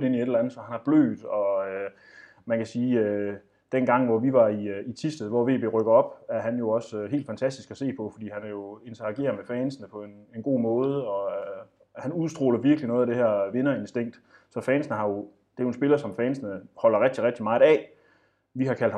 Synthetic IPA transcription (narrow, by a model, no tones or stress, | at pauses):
e̝nieɾelænð̩ˠsɒ̽hænhɑ̈b̥lø̰ːd̥ɒ̽ø | mænkʰæsiːø | d̥enɡ̥ɑ̈ŋ̰ʋɒʋiʋɑ̈iit͡sʰisd̥əð̩ˠʋɒʋe̝̰ːbe̝̰ːʁœɡ̥̩ˠɒ̽b̥æɐɦænjo̝ɒ̽søɦḛːld̥fænt͡sʰæsd̥isɡ̥æse̝̰ːpʰɒ̽fɒ̽d̥ḭːhænæjo̝e̝nt͡sʰɐɑ̈ɡ̥e̝̰ːɐmefɛːnsənəpʰɒ̽e̝nenɡ̥o̝̰ːmɔ̽ːð̞̩ˠəɒ̽ | hænuðˠsd̥ʁo̝ːlɐʋiɐɡ̥linɔ̽ːð̩ˠæd̥e̝hæɐ̰ʋe̝nɐe̝nsd̥e̝ŋ̰d̥ | sɒ̽fɛːnsnəɦɑ̈jo̝ | d̥e̝æjo̝e̝nsb̥e̝lɐsɒ̽mfɛːnsnəhɒ̽l̰ɐʁɛɡ̥̚d̥iʁɛɡ̥̚d̥imɑ̈ːð̩ˠɛ̰ː | ʋiɦhɑ̈kʰæl̰d̥hɑ